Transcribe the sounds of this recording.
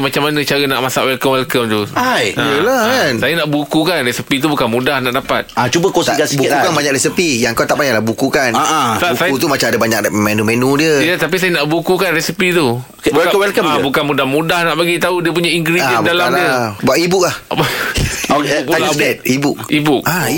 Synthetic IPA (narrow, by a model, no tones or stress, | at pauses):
mat͡ʃamːanə̃t͡ʃaɾənaʔmasa̰ʔwɛlkəmwɛlkəmt̪uaəəlansajənaʔbukukanresipit̪̬ubukanmũdahnaʔdapa̰t̪̚at͡ʃubəkost̪aɡasibukukanbaɲakɾɛsipijaŋkawt̪aʔbaɲaʔlahbukukanaʔasajut̪̬umat͡ʃamadabaɲak̚menũmenũdiəjat̪ap̬is̬ajənaʔbukukanrɛsipit̪u | buɛlakəwɛlkəmabukanmũdahmũdahnaʔpaɡit̪audiəp̬uɲaiŋkɾibdalamldiəbuaʔibʊk̚lahb | aldɛt̪̚ibuk̚ibuk̚a